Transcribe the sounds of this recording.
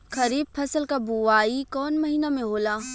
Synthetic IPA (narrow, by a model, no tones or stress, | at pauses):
xɐɾiːb̚fʰɐsəlkabuʋaːikɔːnmɐɦiːnamẽɦoːlaː